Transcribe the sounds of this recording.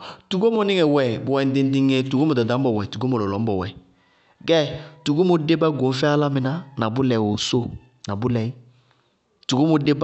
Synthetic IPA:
tu˨ɡo˦mɔ˨˦nɪ˦ŋɛ˨wɛ˨bu˨wɛ˨n˦di˦n˦di˦ŋe˦tu˨ɡo˦mɔ˨da˨dã˨˦bɔ˨wɛ˨tu˨ɡo˦mo˨lɔ˨lɔ˨˦m˦bɔ˨wɛ˨ | ɡɛ˦tu˨ɡo˦mo˨de˦ba˦ɡo˨˦fɛ˦a˦la˦mɪ̃˨na˦na˨bʊ˦lɛ˨wo˨so˦˨ | na˨bʊ˦lɛ˨i˦ | tu˨ɡo˦mo˨de˦b

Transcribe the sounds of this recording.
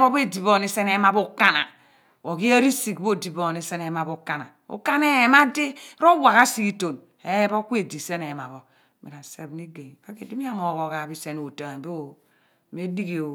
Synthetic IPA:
bo˦be˦di˨βo˦˨ni˦se˦ne˨˦ma˦bo˦ka˦na̰˨ | wo˨ki˦e˦ɾi˦si˨kbo˦˨di˨bo˦˨ni˨se˦ne˨˦ma˨bo˦˨˦ka˦˨na̰˨ṵ˦ka˦ne˦˨ma˦de˦ɾo˦wa˨ka˦si˦ki˦to˨n | e˦bo˦ku˦e˦˨di˨se˦ne˨ma˨βo˨ | mḭ˨ɾa˨se˦bni˦ɡe˨ŋ˨ba˦ke˨di˦mi˦a˦mo˨ɣo˨ɣa˨bi˦se˦no˨ta˨be˦˨ | me˦di˦ɡi˨o˨

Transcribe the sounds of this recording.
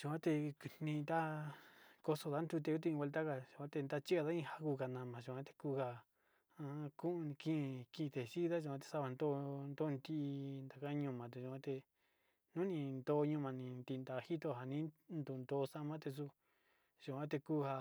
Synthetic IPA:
ʒu˧˨ã˦t̪e˧nnĩ˧nd̪a˦ | ko˧so˧ða˧˦nd̪u˧t̪̬e˧u˦t̪̬i˧ĩ˧wʷe˧lt̪a˦ka˧ʒu˧˨ã˦t̪e˧nd̪a˦t͡ʃi˦a˧ða˦ĩ˦˧ha˧ku˧ka˨nã˨mã˨ʒu˧˨kʷã˦t̪e̥˧kuː˦ha˧ | ã˧˦kũ˦˧kĩ˦˧kĩ˧t̪e˨si˦ða˦ʒu˧˨˧ã˧˦t̪e̥˧sa˦βa˧nd̪o˦nd̪o˦˧nt̪i˦ʔnd̪a˨ka˦˧˦ɲũ˧mã˨t̪e˧˨ʒũ˧ã˦t̪e˧ | nũ˦nĩ˧nd̪o˧ɲũ˧mã˧nĩ˧nt̪i˧˨˧nd̪a˧hi˦t̪o˧˨ɦa˨nĩ˦nd̪u˨nd̪o˧sã˦˧mã˦t̪e˧s̬u˧ | ʒ̥u˨kʷã˦t̪e˧kuː˦ha˧

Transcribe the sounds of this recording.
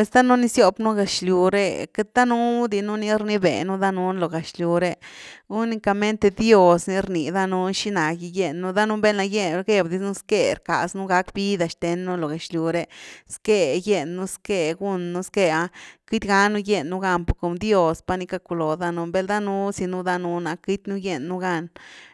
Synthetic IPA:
pwe˧˨sd̪a˦nu˦ni˧˦sjo˧bnu˦ɡa˨t͡ʃlju˨ɾḛ˧ke˦t̪̚d̪a˦nu˦d̪i˧nu˦ni˧˦ɾni˦bḛ˨nu˦d̪a˦nu˦nlo˨ɡa˨t͡ʃlʲju˨ɾe˧ɡu˦ni˧ka˧me˦nt̪e˧d̪jo˦˧sni˧ɾni˨d̪a˦nu˧˦ʃi˦na˨ɡi˧je˧nːu˦d̪a˦nu˦be˦la˧je˦˧ɡe˦˧bd̪i˧nu˦ske˦˧ɾka̰˨snu˦ɡa˧˦kbi˦d̪a˧ʃt̪e˨˦nːu˦lo˨ɡa˨t͡ʃlju˨ɾe˧ske˧je˧nːu˦ske˧ɡu˦˧nːu˦ske˦˧a˧ki˦t̪ɡa˦nu˦je˦˧nːu˦ɡa˧npu˨ko˨md̪jo˦spa˧ni˧ka˧ku˧lo˨d̪a˧nu˧mbe˧ld̪a˦nu˦si˧nu˦d̪a˦nu˧˦na˧ki˦t̪ʲnu˦je˧nːu˦ɡa˦˧n

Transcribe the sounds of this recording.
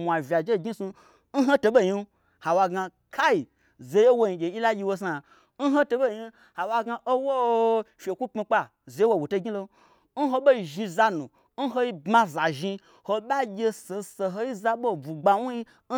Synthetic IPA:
mʷ˨a˨vʲa˨d͡ʒe˦˨ɡʲi˦su˧ | n̩˦ɦo˦to˧bo˦˨ɲi˦ | ha˨wa˧ɡa˧ | kʰa˦i˨ | ze˧je˦wo˧ji˧ɡʲe˨i˦la˦ɡʲi˧wo˧s̬a˨ | n̩˦ɦo˦to˧ɓo˦˨ɲi˧ | ha˨wa˧ɡa˧ʔo˦wo˦fʲe˨kʷu˦k͡pmi˧k͡pa˧ | ze˨je˦wo˧˨wu˨to˧ɡʲi˦lo˧˦ | n̩˦ɦo˧ɓo˦i˧ʒi˧za˧nu˨ | n̩˦ɦo˧i˦bmã˧za˨ʒi˧ | ho˧ɓa˦ɡʲe˧so˨so˧ɦo˦i˦za˧ɓo˦˨bu˨ɡ͡ba˧wu˦ji˧˦

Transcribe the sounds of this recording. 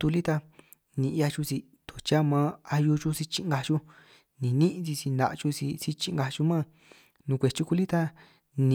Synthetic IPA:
t̪u˧li˦t̪a˧ | nĩ˧ʔja˧t͡ʃu˧si˧ | t̪o˨t͡ʃa˦mã˧˦a˧ju˧t͡ʃu˧si˧t͡ʃi˧ŋ˧ɡa˧t͡ʃu˦ | nĩ˨nĩ˦ʔt͡si˧si˧nã̰˧ʔt͡ʃu˧sḭ˧si˧t͡ʃĩ˧ŋɡa˧t͡ʃu˧mã˦˨ | nũ˧kʷe˨t͡ʃu˧ku˧li˦t̪a˦ | nĩ˧

